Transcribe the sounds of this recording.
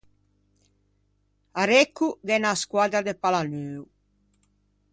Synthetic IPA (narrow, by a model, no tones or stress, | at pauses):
aɾekːuɡɛnaːskwad̪ɾad̪epalanøːw